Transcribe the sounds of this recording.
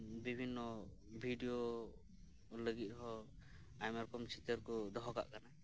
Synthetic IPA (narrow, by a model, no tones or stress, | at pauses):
bibʱinːɔbʱiɖijo | ləɡit̪̚ɦɔ | ajmaɾɔkɔmt͡ʃʰit̪əɾkɔd̪ɔɦɔka̰ʔkana